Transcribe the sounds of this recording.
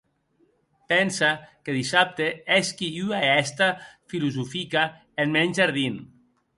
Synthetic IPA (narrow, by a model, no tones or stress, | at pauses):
pɛnsakeðisap̚t̪eeskiyaɛst̪afiluzufika | enmɛɲʒaɾð̞in